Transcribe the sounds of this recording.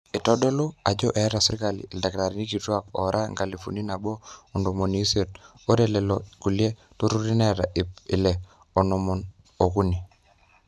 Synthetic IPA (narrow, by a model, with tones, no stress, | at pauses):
i˨tɔ˦dɔ˦lu˦a˨d͡ʒɔ˦ʔɛ˨˦ɾa˨sɪ˦ɾka˨lḭː˨da˨kla˨ɾi˦ni˦ki˨twa˦kɔ̰˨ɾʔa˦ŋɡa˨li˨fṵ˨ni˦na˨bɔ˦ɔ˨ndo˨mo˨ni˨˦se˨t̚ | o˦ɾe˦lɛ˨lɔ˨ku˨le˦ | to˦ɾu˦ɾi˦nɛ˦ɾa̰˨ʔɪ˨pɪ̰˨lɛ˨ | o˨nɔ˨mɔ˨n | o˨ku˦ni˨